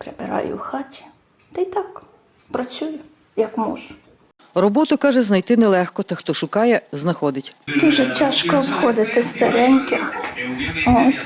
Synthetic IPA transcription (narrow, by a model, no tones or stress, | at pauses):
pɾebɪ̰ɾɑ̰jʊ̰wxɑtʲi̥ | t̪ɪjt̪ɑk | pɾɐt͡sʲujʊ | jɐkmɔ̰ʒʊ | rɔbɔt̪ʊkɑʒɛznɐjt̪ɪnɛlˠɛxkɔt̪ɐxt̪ɔʃʊkɑjɛznɐxɔd̪ɪtʲd̪uʒɛtʲaʃkɔwxɔd̪ɪt̪ɪst̪ɐɾɛnʲkʲɪx | ɔt